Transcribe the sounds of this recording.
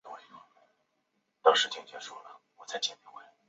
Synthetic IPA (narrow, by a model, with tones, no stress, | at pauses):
t̪o˥ʊʂɻ̩˥˧t͡ɕɛ˥˩t͡ɕɥɛ˧˥˩ʂwɔ˥lə˨wɔ˨˩t͡sa˥˩ɪt͡ɕjɛ˥˩ni˧˥˩we˥˩ɪ